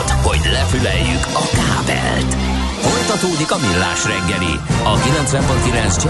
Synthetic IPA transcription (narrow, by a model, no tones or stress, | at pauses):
t̪ho̞̰ɟlɛfylɛjːykɒkaːbɛ̰lt̪ | hojt̪ɒt̪oːd̪ikɒmilːa̰ːʃrɛŋɡɛlḭ | ɒkilɛnt̪sʋɛmponkilɛnt̪sd͡ʒ